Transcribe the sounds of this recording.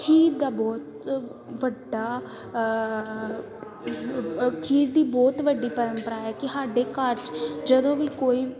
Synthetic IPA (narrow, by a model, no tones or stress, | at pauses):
kʰiːt̪d̪aːbɔːt̪ | ʋəɖaː | kʰiːt̪̚d̪iːbɔːt̪ʋəɖiːpəɾəmpəɾaːɛːkɪsaːɖeːkəɾt͡ʃd͡ʒəd̪õːʋiːkoːiː